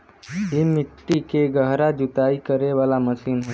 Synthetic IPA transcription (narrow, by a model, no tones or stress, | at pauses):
ɦimɪʈːikeɡəɦɾad͡ʒʊt̪aːikəɾeʋaːlaməsiːnɦo